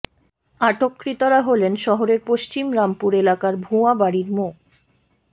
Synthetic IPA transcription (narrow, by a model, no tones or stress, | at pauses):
aʈokːɾit̪oɾaɦolenʃɔɦoɾeɾpoʃt͡ɕimɾampuɾelakaɾbʱuabaɽiɾmo